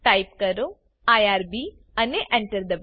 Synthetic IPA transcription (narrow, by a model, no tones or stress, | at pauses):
ʈaːip̚kɐɾo | aːjaːɾbi | ɐneʔɛ̃ɳʈəɾd̪ɐʋ